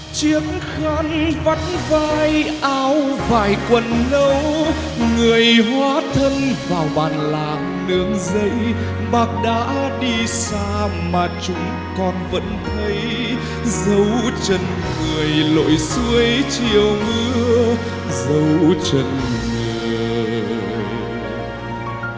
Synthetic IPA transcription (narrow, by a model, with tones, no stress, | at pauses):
t͡ɕi˨˦əŋ | xaː˨˦˥ŋva˨˧˥nvaː˧jʔaː˧wvaː˨˩jkwə˨˩nlə˧w | ŋɨ˨˩əjɦwaː˧˦t̪ʰə˧nvaː˨˩wɓaː˨˩nla̰ː˧˨ŋ | nɨ˧˦əŋzə˧˦j | ɓaː˨˩t̚ɗa̰ː˧˥ɗi˧saː˧ | maː˨˩t͡ɕʊ˨˧˦ŋ͡m | kɔ˨˩nvə̰˧˥nt̪ʰə˨˦j | zə˨˦wt͡ɕə˧˨n | ŋɨ˨˩əjlo̰˧˨jsɨ˧˦əjt͡ɕi˨˩əwmɨ˧ə | zə˨˦wt͡ɕə̰˧˨nŋe˨˩˨